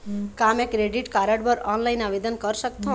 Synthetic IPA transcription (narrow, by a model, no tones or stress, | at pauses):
kamekɾeɖiʈkaɾəɽbʌɾɔnlajnabed̪ənkʌɾsʌk̚t̪ʰõ